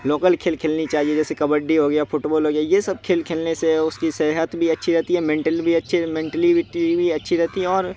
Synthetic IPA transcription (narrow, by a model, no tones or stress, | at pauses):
loːkəlkʰeːlkʰeːlnit͡ʃaːɦied͡ʒɛːsekɐbəɖːiɦoːɡəjafʊʈbɔːlɦoːɡjajesɐb̚kʰeːlkʰeːlneseʊskisɛɦət̪bʱiɐtːʃʰiɾɛɦt̪iɦɛmẽːɳʈəlbʱiɐtːʃʰimẽːɳʈəliʈibʱiɐtːʃʰiɾɛɦt̪iɦɛɔːɾ